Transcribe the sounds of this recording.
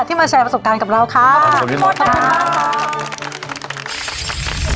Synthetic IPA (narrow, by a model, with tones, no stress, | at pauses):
t̪ʰi˥˩maː˧t͡ɕʰɛː˧pɾa˧so˨˩p̚kaː˧nka˨˩p̚ɾa˧wkʰa˦˥˧ɔː˨˩t̪ʰa˦˥